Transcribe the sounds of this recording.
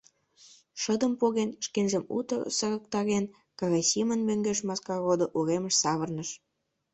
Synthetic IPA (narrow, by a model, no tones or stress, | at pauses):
ʃə̆d̪ə̆mpoɣenʃkenʒəmṵt̪ɤ̰̆sə̆ɣə̆k̚t̪ɑɣen | kɑɣɑjsimənmøŋɡeʃmɑskɑɣod̪oʔuɣemə̆ʃsɑβə̆rnəʃ